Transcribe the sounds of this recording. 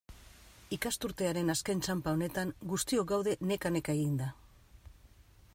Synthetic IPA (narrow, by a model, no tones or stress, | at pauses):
ikast̪uɾt̪e̞aɾe̞naskent͡ʃampao̞ne̞t̪aŋɡust̪io̞ɡawðe̞ne̞kane̞kaeɣind̪a